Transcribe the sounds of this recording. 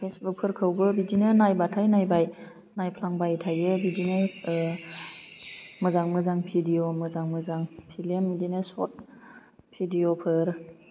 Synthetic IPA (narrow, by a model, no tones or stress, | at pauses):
pʰesbuk̚pʰɯɾkʰɯwbɯbid͡ʒinenajbatʰajnajbaj | najpʰlaŋbajtʰajɯbid͡ʒine | mɯzaŋmɯzaŋpʰidiomɯzaŋmɯzaŋpʰilemːidinesɔ̰t̚ | pʰidijopʰɯɾ